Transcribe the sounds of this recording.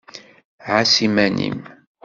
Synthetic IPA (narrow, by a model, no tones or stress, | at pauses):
ʕasimænḭm